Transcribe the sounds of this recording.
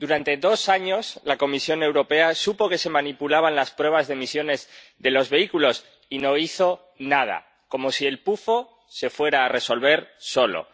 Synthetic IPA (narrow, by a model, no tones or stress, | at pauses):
d̪uɾant̪e̞ðo̞saɲo̞slako̞misjo̞ne̞wɾo̞pe̞asupo̞ke̞se̞mãnipulaβanlaspɾwe̞β̞azðe̞misjo̞ne̞z | ðe̞lo̞zβe̞ikulo̞s | ino̞iθo̞ | nað̞a̰ | ko̞mo̞sie̞lpufo | se̞fwe̞ɾaːre̞so̞lβe̞ɾso̞lo̰